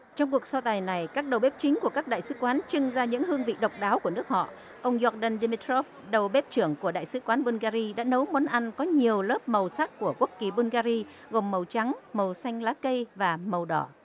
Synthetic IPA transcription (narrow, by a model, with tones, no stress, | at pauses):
t͡ɕɔ˧wŋ͡mku˨˩ək̚sɔ˧t̪aː˨˩jna˨˩jkaː˦˥k̚ɗə˨˩wɓe˦˥p̚t͡ɕï˨˦ŋ̟ku˧˩əkaː˦˥k̚ɗa̰ː˧˨jsɨ˨˦kwaː˨˦nt͡ɕɨ˧ŋzaː˧ɲɨ̰˧˥ŋhɨ˧əŋvḭ˧˨ɗə˨˩wk͡p̚ɗaː˨˦wku˧˩ənɨ˦˥ək̚hɔ̰˧˨ʔ | ʔə˧wŋ͡mjɔ˧k̚ɗə˧˩nɗi˧mi˧t̪ʰɾɔ˦˥f̚ | ɗə˨˩wɓe˦˥p̚t͡ɕɨ˧˩əŋku˧˩əɗa̰ː˧˨jsɨ˨˦kwaː˨˦nɓu˧nɣaː˧zi˧ɗa̰ː˧˥nə˨˦wmo˨˦nʔa˧nkɔ˨˦ɲi˨˩əwləː˦˥p̚mə˨˩wsa˦˥k̚ku˧˩əku˦˥ək̚kːi˨˩ɓu˧nɣaː˧zi˧ | ɣo˨˩mːə˨˩wt͡ɕa˨˦ŋmə˨˩wsa˧jŋ̟laː˨˦˥kə˧jvaː˨˩mə˨˩wɗɔ˧˩